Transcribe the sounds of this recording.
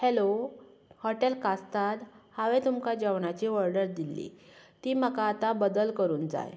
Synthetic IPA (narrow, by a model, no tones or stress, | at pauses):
helohəʈelkast̪at̪haʋẽt̪umkad͡ʑəʋɳat͡ɕiːʋəɾɖəɾd̪ilːḭt̪iːməkaːt̪abəd̪əlkəɾuːnd͡za̰j